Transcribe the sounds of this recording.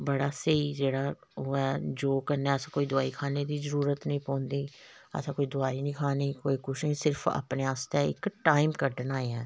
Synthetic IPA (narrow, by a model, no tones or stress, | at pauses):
bəɽaːseiːd͡ʒeːɽaː | oːɛːd͡ʒoːkəɾnɛːəsãːkoːid̪ʊaːiːkʰaːneːd̪iːzəɾuːɾət̪nəĩːpɔ̃ːnd̪iː | ə̰sãːkoːiːd̪ʊaːiːnĩːkʰaːniːkoːiːkʊʃẽsɪɾfʰa̰ːpneːaːst̪ɛɪ̰kʈaːimkəɾɖənaːeɛ̃ː